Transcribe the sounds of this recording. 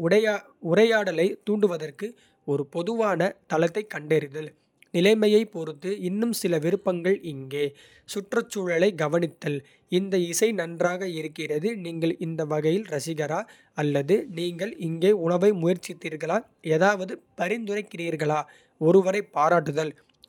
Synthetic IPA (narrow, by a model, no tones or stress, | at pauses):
ɐ | ʊɾɐjaːɽɐlɐɪt̪uːɳɖɯʋɐðɐrkɯ | ɔɾɯpɔðɯʋaːnɐt̪ɐlɐt̪ːɐɪkːɐɳɖɛɾɪðɐl | nɪlɐɪmɐjɐɪpɔɾɯt̪ːɯɪnːɯmsɪlɐʋɪɾɯpːɐŋɡɐɭɪŋɡeː | sʊʈrɐt͡ʃːuɻɐɭɐɪɡɐʋɐnɪt̪ːɐl | ɪnd̪ɐɪsɐɪnɐndraːɣɐɪɾɯkːɪrɐðɯniːŋɡɐɭɪnd̪ɐʋɐɣɐjɪlɾɐsɪɣɐɾaː | ɐlːɐðɯniːŋɡɐɭɪŋɡeːʊɻɐʋɐɪmʊjɐɾt͡ʃːɪt̪ːiːɾɣɐɭaː | eːðaːʋɐðɯpɐɾɪnd̪ɯɾɐɪkːɪriːɾɣɐɭaː | ɔɾɯʋɐɾɐɪpːaːɾaːʈːɯðɐl